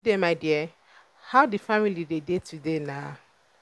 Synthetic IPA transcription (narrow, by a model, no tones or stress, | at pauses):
demaɪdiɛ | haʊdifamilidedetʰudena